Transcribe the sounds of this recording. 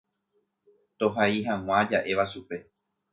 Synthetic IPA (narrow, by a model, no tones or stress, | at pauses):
t̪oɦaiɦãw̃ãd͡ʒaʔe̞ʋaʃupe̞